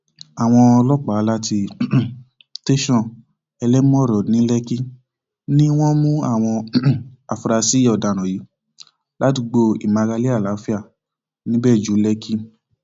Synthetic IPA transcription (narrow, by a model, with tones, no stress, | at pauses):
a˨w̃ɔ̃˧ɔ˧lɔ˦k͡pa˨˦la˦ti˧ | te˦ʃɔ̃˦˨ | ɛ˧lɛ˦mũ˦ɔ˦˨ɾɔ˨nĩ˨˦lɛ˦ki˦ | nĩ˦w̃ɔ̃˦mũ˦a˦˨w̃ɔ̃˧a˨fɾa˧si˦ɔ˨da˨nɔ̃˨ji˨˦ | la˨˦ti˧ɡ͡bo˧ḭ˨mã˧ɡa˧li˦a˦˨la˨˦fi˦a˦˨ | nĩ˦bɛ˦˨d͡ʒu˨˦lɛ˦kʰi˦